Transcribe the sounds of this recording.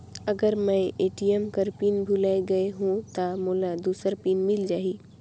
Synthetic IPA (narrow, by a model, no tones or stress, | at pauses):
əɡəɾmə̃eʈiemkəɾpiːnbʱulaeɡəeɦũt̪amulad̪usəɾpinmild͡ʒaːɦi